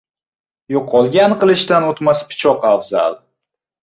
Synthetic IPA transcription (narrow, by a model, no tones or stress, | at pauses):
joqʰːɒlˠɡʲanqɨlˠɪʃt̪anot̪maspʰɪ̥t͡ʃʰɒqavza̰lˠ